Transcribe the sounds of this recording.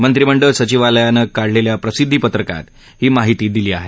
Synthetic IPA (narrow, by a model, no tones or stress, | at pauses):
mənt̪ɾiməɳɖəsət͡ɕiʋaləjanəkaɽleljapɾəsid̪ʱːipət̪ɾəka̰t̪ | hiːmaɦit̪iːd̪iliːa̰ɦe